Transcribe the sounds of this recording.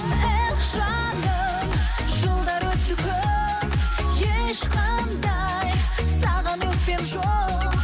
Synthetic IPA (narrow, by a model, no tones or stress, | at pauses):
eqʒɑ | nd̪ə | ʒəlˠd̪ɑɾwɵt̪ːɪkʲʰø | m | jeʃqʰɑ | nd̪ɑ | j | sɑʁɑnwɵt̪̚pepʒo